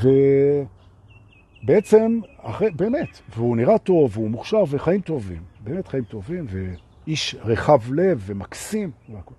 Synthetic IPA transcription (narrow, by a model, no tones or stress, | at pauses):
ve | beet͡se̞ma̰χʁebeːmetveuniʁato̞veumuχʃaʁveχaimto̞vḭmbe̞ːmet̪χaimt̪o̞vimve | iʃʁeχavle̞vːe̞maksimlako